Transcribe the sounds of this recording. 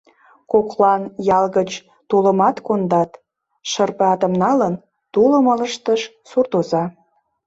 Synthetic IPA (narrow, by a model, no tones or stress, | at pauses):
koklɑnjɑlɣət͡ɕ | t̪oləmɑt̪kond̪ɑt̪ | ʃərpeɑt̪əmnɑlən | t̪uləmələʃt̪əʃ | surt̪ozɑ